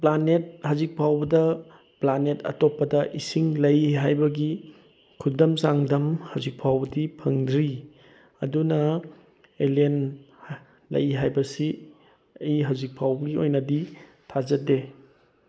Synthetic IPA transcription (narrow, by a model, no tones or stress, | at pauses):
planet̚hazik̚pʰawbɐdɐ | planetɐ̰topːɐdɐʔisiŋlɐjɦajbɐɡi | kʰudɐmsaŋdɐmhawzik̚pʰawbɐdipʰɐŋdɾi | ɐdunɐ | elen | lɐ̰jɦajbɐsi | ɐjiɦawzik̚pʰawbɐɡiojnɐdi | tʰazɐde